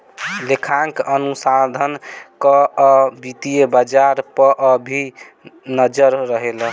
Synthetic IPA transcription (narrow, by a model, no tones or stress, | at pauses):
lekʰaŋkənusad̪ʱənkəbit̪ijebad͡ʒaɾpəʔəbʱi | nəd͡ʒəɾːəɦel